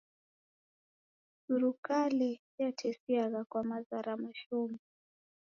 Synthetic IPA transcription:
suɾukali | jatʰɛsiaɣakwamazaɾamuʃɔmu

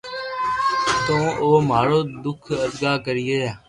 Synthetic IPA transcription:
t̪õːʔoːmaːɽoːd̪ʊkʰəd̪ɡaːkəɾɪjeːaː

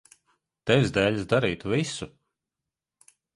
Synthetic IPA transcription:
t̪ɛvʲzd̪ɛːlʲsd̪aɾiːt̪visu

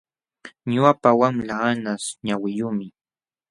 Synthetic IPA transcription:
ɲʊapawamlaanasɲawɪjʊmɪ

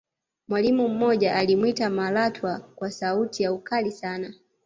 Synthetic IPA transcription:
mwalimum̩mɔʄaʔalimwitamalatʰwakwasautijaukalisana

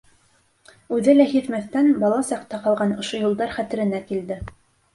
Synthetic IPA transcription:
ʉðɘlæhit̪mæθt̪ænbɑlˠɑsɑqt̪ɑqɑlˠʁɑnŏʃojulˠd̪ɑɾχæt̪ɘ̆ɾɘ̆nækild̪ɘ

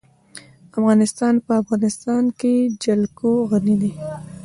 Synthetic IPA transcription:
afɣɑnɪst̪ɑnpəafɣɑnɪst̪ɑnked͡ʒalkoɣanid̪i

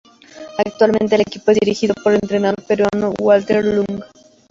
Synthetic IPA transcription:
akt̪walmẽnt̪elekipoe̞ziɾixiðopoɾent̪ɾenaðoɾpeɾwanowalt̪eɾluŋɡ

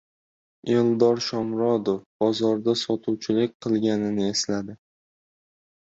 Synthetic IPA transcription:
elˠd̪ɒɾʃɒmɾɒd̪ofb̥ɒzɒɾd̪asɒt̪ʰuwt͡ʃʰɪlɪk̚ʲqʰɨlˠɡʲanɪnɪe̞slad̪ɪ

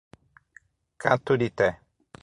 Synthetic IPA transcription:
kʰãt̪udit̪ɛ

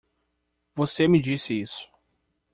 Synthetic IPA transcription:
vosemɪd͡ʒisɪisʊ̥

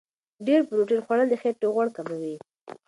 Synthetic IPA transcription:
ɖeɾpɾuʈinxwaɽald̪əxet̪ːoɣwaɽkamawi

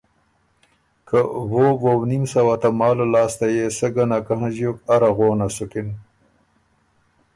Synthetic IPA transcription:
kəwowownimsawat̪amɑːlolɑːst̪ajesəɡanakaɦãzjokaɾaɣoːnasukɪn

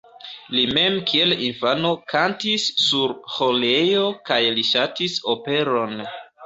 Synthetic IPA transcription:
lime̞mkʰie̞linfano̞kʰantisːuɾho̞lejokajliʃatiso̞pe̞ɾo̞n

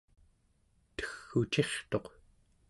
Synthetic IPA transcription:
t̪ə̥xːut͡ʃe̞χt̪o̞q

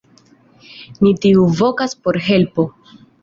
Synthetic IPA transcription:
nitiuvo̞kaspo̞ɾɦe̞lpo̞

